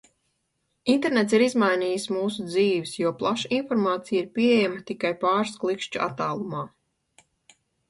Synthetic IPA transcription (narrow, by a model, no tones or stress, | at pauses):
int̪ɛɾnet̪siɾizmajniːjsmuːsud̪ziːvɪsjuɔplˠaʃaʔinfɔɾmaːt̪sijiɾpʲiejamat̪ikajpaːɾsklˠikʃt͡ʃua̰t̪aːlˠumaː